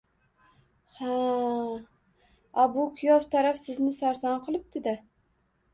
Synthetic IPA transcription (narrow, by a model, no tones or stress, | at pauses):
ha | ɒbʊkʲʰʊjoft̪ʰaɾafsɪznɪsaɾsɒnqʰɨlˠɪp̚d̪̥ɪd̪a